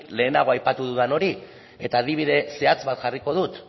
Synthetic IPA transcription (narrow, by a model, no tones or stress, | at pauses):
le̞ːnaɣ̞o̞ajpat̪uðuðano̞ɾi | e̞t̪aːð̞iβ̞iðe̞se̞at͡sβat̪ʝariko̞ð̞ut̪